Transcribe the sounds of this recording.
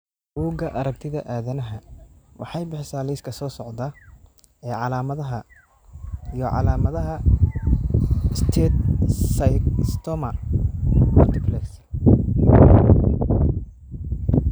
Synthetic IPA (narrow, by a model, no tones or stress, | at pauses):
b̥uːɡɐʔɐɾɐk̚t̪ʰɪðɐʔaːðɐnɐɦɐwʔɑ̰ħɑjbɪħsaːlɛjskʰɐsɔːsɔʕd̪a | ɛːʕɑlaːmɐðɐɦɐ | ijɔʕɑ̰laːmɐðɐɦɐ | st̪ʰɛːt̪sjst̪ʰɔmɐ | mʊlt̪ʰɪpʰlɛks